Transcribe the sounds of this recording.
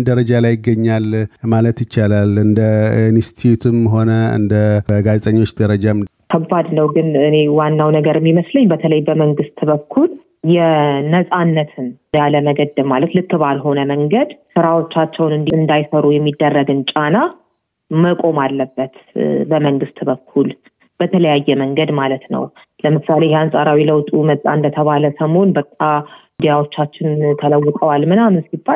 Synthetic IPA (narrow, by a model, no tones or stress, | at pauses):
d̪əɾəd͡ʒalajɪɡːəɲːalmalət̪jɪt͡ʃːalalɨnd̪ənst̪ʰiut̪ʰɨmɦo̞nəɨ̰nd̪əəɡazt̪ʼəɲːwo̞t͡ʃːd̪əɾəd͡ʒak̪ʰəbːad̪nəwɡɨnɨne̞wanːawnəɡəɾɨmːiməsləɲːbət̪ʰələjbəməŋɡɨst̪bəkʰːul | jɛnəsʼanːət̪ʰɨn | jaləməɡəd̪ɨmalət̪lɨkːɨbalɦo̞nəməŋɡəd̪sɨɾawo̞t͡ʃːat͡ʃːɛwnɨnd̪iɨnd̪ajsəɾujɛmːid̪ːərːəɡɨnt͡ʃʼana | məkʼo̞malːəbːət̪bəməŋɡɨst̪ʼbəkʰːul | b̥ət̪ʰələjajːɛməŋɡəd̪malət̪nə̰w | ləmɨsalejɛansʼaɾawiləwt̪ʼumət̪ʼːa̰ɨnd̪ət̪ʰəβaləsəmho̞nbət̪ʼːaɨd̪ijawo̞t͡ʃːat͡ʃːɪnt̪ʰələwːɨt̪ʼəwalmɨnamɨnsibːal